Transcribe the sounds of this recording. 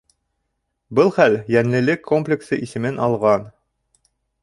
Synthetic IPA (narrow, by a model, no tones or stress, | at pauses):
bɤlˠχæljæŋlɘ̆lɘkʰːomplʲɪksɤʔisɘ̆mɘnʔɑlˠʁɑn